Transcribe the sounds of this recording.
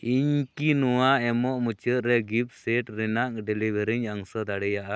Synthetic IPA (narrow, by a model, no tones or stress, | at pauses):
iɲkinɔwaʔɛmɔʔmut͡ʃəʔ̪ɾɛɡip̚sɛʈɾɛnaʔ̚ɖɛlibʱeɾiɲaŋsɔd̪aɽɛjaʔa